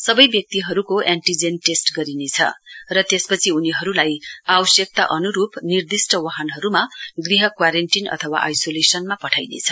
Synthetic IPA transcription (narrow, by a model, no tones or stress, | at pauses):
sʌbʌjbjʌk̚t̪iɦʌɾukoʔaɳʈid͡zenʈesʈɡʌɾinet͡sʰʌ̰rʌt̪espʌt͡sʰiuniɦʌɾulajabʌsjʌk̚t̪a̰ʔʌnuɾupnird̪isʈʌwaɦʌnɦʌɾumaɡriɦʌkwaɾenʈinʌ̰t̪ʰʌwa̰ʔajsolesʌnmapʌʈʰajnḛt͡sʰʌ̥